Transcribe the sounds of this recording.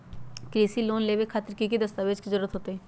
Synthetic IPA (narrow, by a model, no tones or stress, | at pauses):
kɾiːsiloːnleːʋekʰaːt̪əɾkikid̪ɐst̪aːʋeːd͡ʒkizəɾuːɾət̪ɦoːt̪eɦɛ̃ː